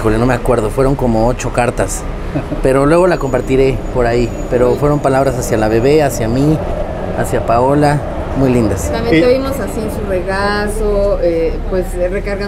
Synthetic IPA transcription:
xo̞leno̞me̞akwe̞ɾðo̞fwe̞ɾo̞ŋko̞moot͡ʃo̞kaɾt̪as | pe̞ɾo̞lwe̞ɣ̞o̞lako̞mpaɾt̪iɾe̞po̞ɾai | pe̞ɾo̞fwe̞ɾompalaβɾasasjalaβe̞βe̞asjami | asjapao̞la | mujlind̪asamjet̪eβimosasiensureɣasoepwesrekaɾɣa

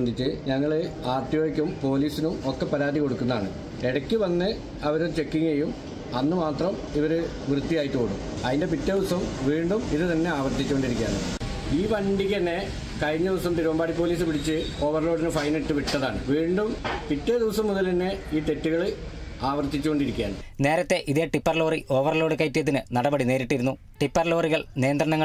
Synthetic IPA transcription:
ɐnd̪ʱit͡ɕːɨɲɐŋːɐɭɨaːrt̪ijoɐkʲːumpo̞ːliːsinumokːe̞pːɐɾaːd̪iko̞ɽukːunːɐðaːɳɨ̰ | eɽɐkʲːɨʋɐnːɨ | ɐʋɐɾt͡ɕe̞kːiŋejum | ɐnːɨmaːt̪rɐm | iʋɐɾɨ | ʋrɨd̪ːijaːjiʈːukoɽṵm | ɐðinde̞p̬itːɐdiʋɐsɐmʋiːɳɖumiðɨt̪ɐnːe̞aːʋɐrt̪ːit͡ɕːɐʋeɳɖiɾikʲːja̰ːnɨ̰ | iːpɐnɖikʲːɨɐnːe̞ | kɐɻɲːɐðiʋɐsɐmt̪iɾuʋɐmbaːɽipːoːliːs̬ɨpiɽit͡ɕːɨo̞ːʋɐrlo̞ːɽinɨfɐjneʈːɨʋiʈːɐðaːɳɨʋiːɳɖumpitːeðiʋɐsɐmːuðɐlt̪ɐnːe̞iːt̪etːuɣɐɭɨaːʋɐrt̪ːit͡ɕːuko̞ɳɖiɾikʲːja̰ːɳɨne̞ːɾɐt̪ːe̞ʔiðe̞ːʈipːɐrlo̞ːriʔo̞ːʋɐrlo̞ːɽɨkɐjtːijɐðinɨnɐɽɐbɐɽine̞ːɾiʈːiɾunːu | ʈipːɐrlo̞ːriɣɐɭnijɐnd̪rɐɳɐŋːɐ

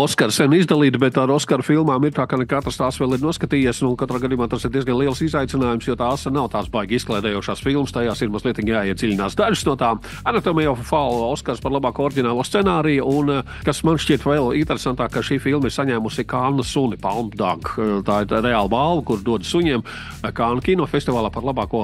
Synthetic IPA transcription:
ɔskaɾsɛnizd̪alˠiːt̪bɛt̪aɾɔskaɾfilˠmaːmiɾt̪aːkanɛkat̪ɾst̪aːsʋɛːlˠiɾnuɔskat̪iːjesnukat̪ɾaːɡad̪ijumaːt̪asiɾd̪iɛzɡanlˠiɛlˠsizajt̪sɪnaːjumsjɔːt̪aːsnawt̪aːsbajɡisklˠɛːd̪ɛjoɔːʃaːsfilˠmst̪ajaːsiɾmazlˠiɛt̪iːɡjaːjɛd̪zilʲɪnaːsd̪aʒɪ̥snuɔt̪aːm | anat̪omɛjɔffalˠɔskaɾspaɾlˠabaːkuɔːoɾɟʲinaːlˠuɔst̪sɛnaːɾijun | kasmanʃcʲiɛt̪ʋɛlˠint̪ɛɾesant̪aːkkːaʃiːfilˠmiɾsaɲɛːmusikaːnːɐsunipalˠmpd̪a̰ɡt̪aːiɾɾɛaːlˠbalˠʋɐkuɾd̪uɔd̪suɲʲiɛm | kaːnkʲinɔːfest̪ivaːlˠapaɾlˠabaːkuɔ

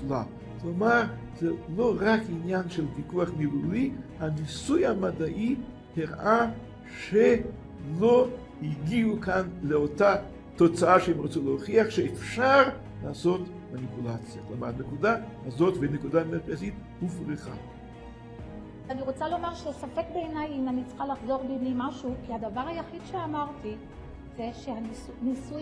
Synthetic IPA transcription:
la | klomaʁ | z̥elo̞ʁakinjanʃelvikuaχmilulihanisujamad̪aʔi | teʁʔa | ʃe | lo̞ | hiɡiukanleota | t̪o̞t͡saaʃeemʁat͡suleoχiaχʃeefʃaʁ | laːso̞t | manipulat͡sjaklamaʁnekud̪ahazo̞t̪venekud̪ametpasit̪ | hufʁiχa̰ | aniʁo̞t͡salo̞maʁʃeasafekbeːnajimanit͡se̥χalaχzo̞ʁbiblimaʃukihadavaʁhajaχid̪̥ʃeamaʁt̪i | z̥eʃeha | nisu

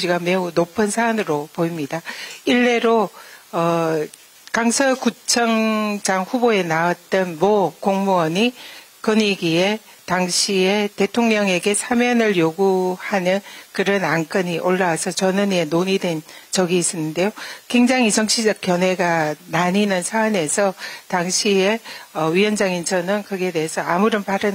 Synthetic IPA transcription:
d͡ʑiɡame̞unopʰɯnsʰaːnɯɾopoimɲidaiɭːe̞ɾoʌ | kaŋsʰʌkut͡ɕʰʌŋd͡ʑaŋɸuboe̞nawat̚t͈ʌnmʌkoŋmuʌɲi | kɯɲiɡie̞ | taŋɕʰie̞te̞tʰoŋɲʌŋe̞ɡe̞sʰamjʌnɯɭjoɡuhanɯnkɯɾʌnaŋk͈ɯɲiʔoɭːawasʰʌt͡ɕʌnɯɲenoɲidwe̞nt͡ɕʌɡiːs͈ʌnːɯnde̞jokwe̞ŋd͡ʑaŋisʰʌŋɕʰid͡ʑʌk̚k͈jʌnwe̞ɡanaɲinɯnsʰaːne̞sʰʌtaŋɕʰieʌɥiʌnd͡ʑaŋint͡ɕʰʌnɯnkɯɡe̞de̞ɦesʰʌamuɾɯnpaɾɯn

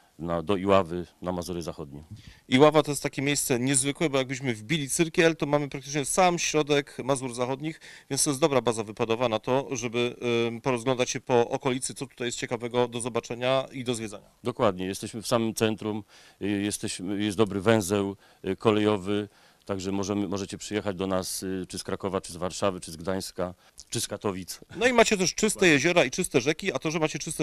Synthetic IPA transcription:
nad̪ɔiwavɘnamazuɾjɛzaxɔd̪̚ɲimiwavat̪ɔjɛst̪akʲemʲjejst̪sɛɲɛzvɘkwɛbɔjaɡ̚bɘɕ̬mɘvbʲilʲit̪sɘɾkʲɛlt̪ɔmamɘpɾak̚t̪ɘ̥t͡ʂɲɛsamɕɾɔd̪ɛkmazuɾzaxɔd̪ɲixvʲjɛnst̪ɔjɛs̬d̪ɔbɾabazavɘpad̪ɔvanat̪ɔʐɛbɘpɔɾɔzɡlɔnd̪at͡ɕɕɛpɔʔɔkɔlʲit̪sɘt̪sɔt̪ut̪ajɛst̪̚t͡ɕɛkavɛɡɔd̪ɔzɔbat͡ʂɛɲaid̪ɔzvʲjɛd̪zaɲad̪ɔkwad̪ɲɛjɛst̪ɛɕmɘfsamɘmt̪sɛnt̪ɾum | jɛst̪ɛɕmɘjɛsd̪ɔbɾɘvɛ̃w̃zɛw | kɔlɛjɔvɘ | t̪aɡʐɛmɔʐɛmɘmɔʐɛt͡ɕɛpʂɘjɛxad͡ʑd̪ɔnast͡ʂɘskɾakɔvat͡ʂɘzvaɾʂavɘt͡ʂɘzɡd̪aj̃ska | t͡ʂɘskat̪ɔvʲit̪snɔimat͡ɕɛt̪̬ɛʂt͡ʂɘst̪ɛjɛʑɔɾait͡ʂɨst̪ɛʐɛkʲiat̪ɔʐɛmat͡ɕɛt͡ʂɨst̪ɛ

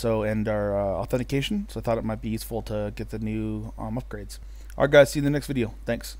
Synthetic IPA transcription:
soʊɨ̃nə˞ʌɔ̰θɛ̃ñtɨkʰeɪʃn̩soʊaɪθɔɾɨt̚maɪt̚b̥ijʉsfl̩ˠtʰəɡɛt̪̚ðɨnʉmʌp̚ɡ̥ɹeɪdz̥ | ʔə̰˞ɡaɪz̥sĩŋðɨnɛkstvɪɾioʊθæ̃ŋks

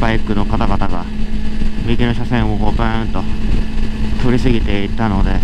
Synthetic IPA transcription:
baikɯ̟no̞kat̪aɡat̪aɡa | mʲikʲinoɕasẽɰ̃oɡokẽt̪o̞ | t̪o̞ɾʲisɨɡʲit̪e̞it̪ano̞d̪e̞

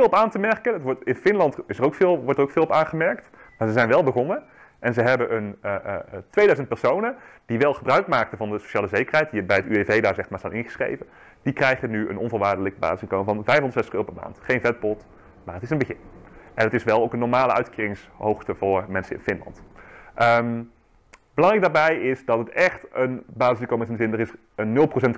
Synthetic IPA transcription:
ɪlˠɔpaːntəmɛɹkəndɑtʋɔtɪnfɪnlɑntɪsərowkfɪːlˠʋɔɹtdərowkfɪːlˠɔpaːnχəmɛɹktmaːɹzəzɛjnʋɛlˠbəχɔnə | ʔɛnzəɦɛbənʔənətʋejdœɥzənt̚pɛɹsownəd̥iʋɛlˠχəbrœɥkmaːk̚tənvɑndəso̥ʃaːləzejkərɦɛjt̚dibɛjətyevejdaːɹzɛχtmaːɹz̥anɪnχəsχrḛjvən | d̥ikrɛjχənyə̰nɔ̰nvʊlˠʋaːɹdələkəba̰ːzɪsɪnŋkowməvɑnvɛjfɦndətsɛstəχøːɾəpɛɹma̰ːntχejnvɛt̚bɔt | maːɹətɪsənbəχɪnʔɛnətɪsʋɛlˠowkənːɔɹmaːləʔœ̰ɥtkiːrɪŋshowχtəvʊːɹmɛnsənɪ̰nfɪnlɑ̰ntʔəm | bəlɑŋrɛjk̚daːɹbɛjɪsdɑtətɛχtənbaːzɪsɪŋkowməɪsɪnəzɪndərɪs | ənːɵlˠprosɛnt

